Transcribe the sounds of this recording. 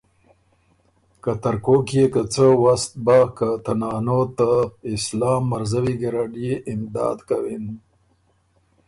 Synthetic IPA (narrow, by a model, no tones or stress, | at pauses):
kat̪aɾkokijekət͡səwast̪̚bakat̪anɑːnot̪aɪslɑːmːaɾzawiɡiɾaɖijeʔɪmd̪ɑ̰ːd̪kawin